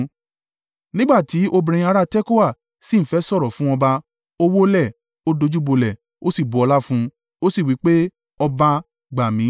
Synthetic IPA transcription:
nĩ˦ɡ͡ba˦˨ti˨˦ʔo˧bĩ˧ɾẽ˧ĩ˧a˧ɾa˦tɛ˦ko˦wa˦˨ | sĩ˦˨fɛ˨˦sɔ˦˨ɾɔ˨fũ˨˦ɔ̃˧ba˧ | o˦wo˦lɛ˦˨ | o˦do˧d͡ʒu˦bo˧lɛ˨ | o˦si˦˨bo˨ɔ˧la˦fũ˦ | o˦si˦˨wi˨˦k͡pe˦ | ɔ˧ba˧ | ɡ͡ba˨mĩ˨˦

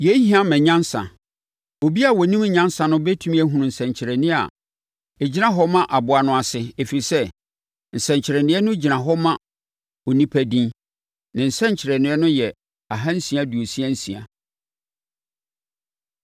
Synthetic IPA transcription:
je˨˦hĩ˦ã˦mɛ̃˨ɲã˦n˦sã̰˨ | o˨bi˦a˦˨wɔ˨nĩ˦m˨˦ɲã˦n˦sã˨nʊ̃˦bɛ˦tʰũ˦mĩ˦æ˦ɦũ˨nʊ̃˨n̩˨sɛ̃˨ɲ˨t͡ɕʰɪ˨ɾɛ˨nɪ̃˦a̰˨ | e˨d͡ʑi˦nã˦ɦɔ˦mã˦ʔa˨bʊ˨a˨nʊ̃˨˦a˨sɪ˦e˨fi˨i˨sɛ˦ | n̩˨sɛ̃˨ɲt͡ɕʰɪ˨ɾɛ˨nɪ̃˦ɛ˦nʊ̃˦d͡ʑi˨nã˨ɦɔ˦mã˦ | o˨nĩ˦pʰæ˦dĩ˦ | nã˨n̩˨sɛ̃˦ɲ˨t͡ɕʰɪ˨ɾɛ˨nɪ̃˨˦ɛ˦nʊ̃˦jɛ˨ | a˨ɦã˦n̩˦sĩ˨a˦du˨o˨si˦æ˦n̩˦sĩ˨a̰˨

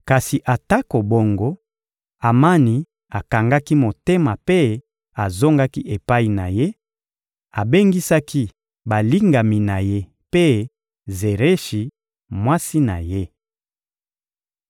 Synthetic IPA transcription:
ka˨si˨ʔa˨ta˦ko˨bo˦ŋɡo˦ | a˨ma˦ni˨ | a˨ka˨ŋɡa˦ki˦mo˨te˦ma˨pe˦ | a˨zo˦ŋɡa˦ki˦ʔe˨pa˦i˨na˨je˦ | a˨be˦ŋɡi˦sa˦ki˦ | ba˨li˦ŋɡa˨mi˨na˨je˦ | pe˦ | ze˨ʁe˦ʃi˨ | mwa˦si˦na̰˨je˦

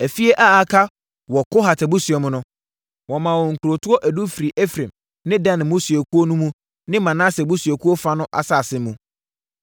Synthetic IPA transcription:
æ˨fi˦e˦ʔa˦a˨kʰa˦ | wɔ˨ko˦ɦa˨tʰɛ˨bu˦su˨ɛ˨mʊ̃˦nʊ̃˦ | wɔ˨mã˨wɔ˨ŋ̩˨kʰu˨ɾo˨tʰʊ˦ɔ˦ʔæ˨du˦fi˨ɾi˨ʔe˦fɾẽ˨m | nɪ̃˦dã˦ñ˨mo˦si˨e˨kʰu˦o˦nũ˦mũ˦ | nɪ̃˦mã˨nã˦sɛ˨bu˦sɥɛ˨ku˦o˦fa˦nʊ̃˦ʔa̰˨sa˦˨sɪ̃˦mũ˨

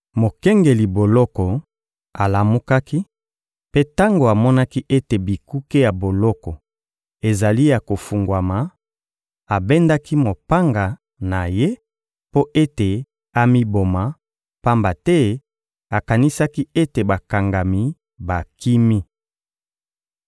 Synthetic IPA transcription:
mo˨kɛ˦ŋɡe˨li˨bo˨lɔ˦kɔ˨ | a˨la˨mu˦ka˦ki˦ | pe˦ta˦ŋɡo˨a˨mɔ˦na˦ki˦ʔe˦te˨bi˨ku˦ke˦ja˨bo˨lɔ˦kɔ˨ | e˨za˨li˦ja˨ko˨fu˨ŋɡwa˨ma˨ | a˨be˦nda˦ki˦mo˨pa˦ŋɡa˨ | na˨je˦ | po˦ʔe˦te˨ | a˨mi˦bo˨ma˨ | pa˦mba˨tɛ˦ | a˨ka˨ni˦sa˦ki˦e˦te˨ba˨ka˨ŋɡa˨mi˨˦ | ba˨ki˦mi˦

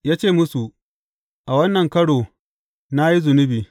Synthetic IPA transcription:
jaː˦t͡ʃeː˦˨mʊ˦su˨ | ʔa˨wɐ˦nːɐ˨ŋkɐ˦ɽoː˨ | na˦ji˦zʊ˨nʊ˦biː˨

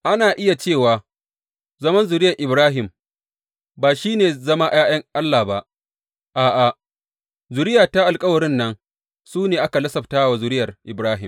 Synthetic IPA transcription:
ʔa˦naː˨ʔɪ˦ja˨t͡ʃeː˦˨waː˨ | zɐ˦mɐ˦nzʊ˨ɾɪ˦jɐ˨ʔɪ˨bɾaː˦ɦɪ˨m | baː˨ʃiː˦neː˨zɐ˦ma˦ʔj̰aː˦jɐ˦ŋʔa˦lːaː˨ba˦ʔ | ʔaː˨ʔa˨ | zʊ˨ɾɪ˦jaː˨ta˦ʔa˨lkʼɐ˦wɐ˨ɾɪ˦nːɐ˦ŋ | suː˦neː˨ʔa˦ka˨lɐ˦sɐ˨ɸtaː˦wa˨zʊ˨ɾɪ˦jɐ˨rʔɪ˨bɾaː˦ɦɪ˨m

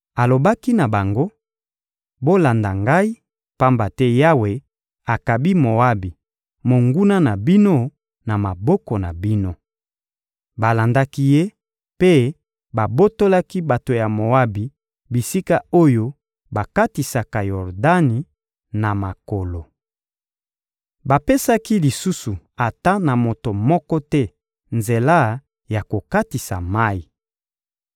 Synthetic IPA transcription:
a˨lo˨ba˦ki˦na˨ba˨ŋɡo˦ | bo˦la˨nda˨ŋɡa˦i˦ | pa˦mba˨tɛ˦ja˦we˨ | a˨ka˨bi˦mo˨a˦bi˨ | mo˨ŋɡu˦na˦na˨bi˦no˦ | na˨ma˨bɔ˦kɔ˨na̰˨bi˦no˦ | ba˨la˨nda˦ki˦je˦ | pe˦ | ba˨bo˦to˦la˦ki˦ba˨to˨ja˨mo˨wa˦bi˨ | bi˨si˦ka˦o˦jo˦ | ba˨ka˦ti˨sa˨ka˨jɔ˨ʁda˦ni˨ | na˨ma˨ko˨lo˨ | ba˨pe˦sa˦ki˦li˨su˦su˨ | a˨ta˦na˨mo˨to˨mɔ˦kɔ˦tɛ˦ | nze˨la˦ | ja˨ko˨ka˦ti˨sa̰˨ma˦i˨

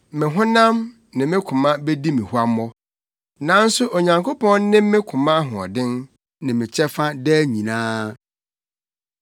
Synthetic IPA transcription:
mɪ̃˨ɦʊ̃˦nã˦m | nɪ̃˨mɪ̃˦kʰʊ̃˨mã˦be˦di˦mɪ̃˨hu˦a˦m˦ɔ˦ | nã˨˦n̩˦sʊ˦ʔo˨ɲã˨ŋkʰo˦pɔ̃˦nn˦nɪ̃˦mː˦ɪ̃˦kʰʊ̃˨mã˦ɦʊ̃˨ɔ̰˨dɪ̃˦n | nɪ̃˨mɪ̃˨t͡ɕʰɛ˦fa˦dɛ˦ɲĩ˨nãː˦

